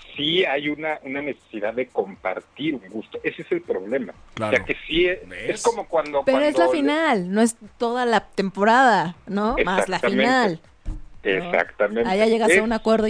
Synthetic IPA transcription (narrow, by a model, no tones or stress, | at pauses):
siajunaʔunanese̥siðaðe̞ko̞mpa̰ɾt̪iɾuŋɡust̪o̞ʔe̞seese̞lpɾo̞βle̞ma̰laeakesieeskomokwand̪opeɾoezlafinalno̞e̞st̪o̞ðalat̪e̞mpo̞ɾaðanoesmalafim̃nal | esa̰kt̪amẽnajaʝeɣaeunakwe̞ɾðo